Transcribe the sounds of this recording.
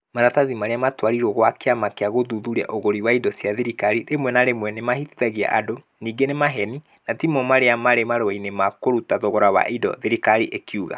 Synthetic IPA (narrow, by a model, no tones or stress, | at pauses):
maɾataðimaɾeamatwaɾiɾwɔɣwakeamakeaɣoðuðuɾia̰ʔoɣoɾiwaidɔsjaðeɾikaɾiɾemwɛnaɾemwɛnemahitiðaɣia̰ʔado | niːɡenemaɦɛni | natimɔmaɾeamaɾemaɾowainemakoɾutaðoɣɔɾawa̰ʔidɔ̰ðeɾikaɾiʔekiuɣa̰